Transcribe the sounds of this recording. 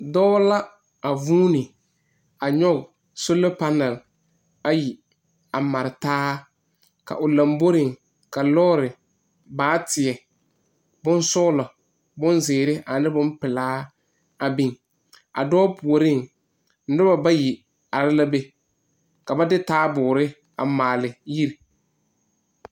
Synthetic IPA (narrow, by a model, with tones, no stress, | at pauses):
dɔː˦la˦ | a˨vuː˦nɪ˨ | a˨ɲɔ˦ɡ | so˦lo˦pa˦nɛ˨l | a˦ji˨ | a˨ma˨ɾɪ˨taː˦ | ka̰˨ʔʊ˨la˨mbo˦ɾɪ˨ŋ | ka˨lɔː˦ɾɪ˨ | baː˨˦tɪ˨ɛ˨ | bʊ˦n˦sʊ˦ɣʊ˦lɔ˨ | bʊ˦nzɪː˨ɾɪ˦ʔa˨nɪ˦bʊ˦m˦pɪ˨laː˦ | a˨bi˦ŋ | a̰˨dɔː˦pu˨o˨ɾɪ˦ŋ | n̩˦dʊ˦ba˨ba˦ji˨ | a˨ɾɪ˦la˦be˦ | ka˨ba˦dɪ˦taː˦bʊː˨ɾɪ˦ | a̰˨maː˨lɪ˨ji˦ɾ